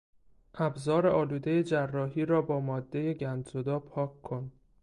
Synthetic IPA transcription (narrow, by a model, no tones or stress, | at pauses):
ʔæbzɒːɾeɒːluːd̪eje̞d͡ʒærːɒːɦiːɾɒːbɒːmɒːd̪ːe̞je̞ɟænd̪zod̪ɒːpʰɒːkʰːon